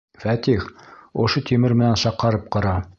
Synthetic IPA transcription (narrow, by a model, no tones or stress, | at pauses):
fæt̪ixŏʃot̪ʰimɘɾmɘ̆nænʃɑqːɑɾɤp̚qɑ̆ɾɑ